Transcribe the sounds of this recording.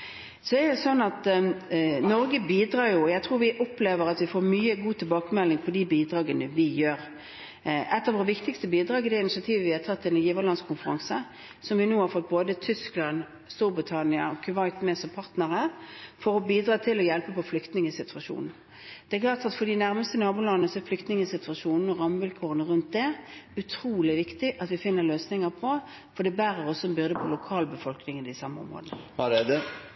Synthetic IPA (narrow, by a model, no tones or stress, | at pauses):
sɔɛɾd̪ɛsɔnːɑt̪ | nɔɾɡəbiːd̪ɾɑːɾjʊɔjæt̪ʰɾuːɾʋɪʔɔpleːʋəɾɑt̪ʋɪfoːɾmyːəɡuːt̪ʰɪlbɑːkəmɛlːɪŋpʰɔd̪iːbiːd̪ɾɑːɡənəʋɪjøːɾ | ɛt̪ːɑʋoːʁəʋɪkt̪ɪkst̪əbiːd̪ɾɑːɡɪd̪ɛɪnɪʃɪɑt̪ʰiːʋəʋɪhɑt̪ʰɑt̪ʰːɪlnjiːʋəʁlɑnskʰʊnfəɾɑ̰ŋsə | sɔmʋɪnoːɑɾfɔt̪̚boːd̪ət̪ʰʏsklɑn | st̪uːɾbʁɪt̪ʰɑnɪəɔkʰʉʋɑɪt̪mɛsɔpʰɑʁt̪nəɾəfɔɾɔbiːd̪ʁɑːt̪ʰɪlɔjɛlpəpɔflʏkt̪nɪŋəsɪt̪ʰʉʋɑʃṵːnn̩ | d̪̥ɛklɑːʁt̪ɑt̪fɔd̪ɪnæʁməst̪ənɑːbuːlɑnnəsɔæflʏkt̪nɪŋəsɪt̪ʰʋɑʂuːnn̩ɔʁɑmʋɪlkʰuːʁənəʁʉnt̪̚d̪ɛʉt̪ʰɾuːlɪʋɪkt̪ɪʔɑt̪ʋɪfɪnːəʁløːsnɪŋəʁpʰɔ | fɔɖɛbæːʁəʁɔsːɔɛmbʏʁd̪əpʰɔlʊkʰɑːlbəfɔlknɪŋəd̪ɪsɑmːəɔ̰mʁo̰ːd̪nəɑɛd̪ə